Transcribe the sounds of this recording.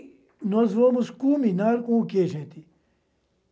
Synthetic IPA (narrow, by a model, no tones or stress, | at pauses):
nɔzʋoːmuskuːminaɾkũːkeːʃẽt̪i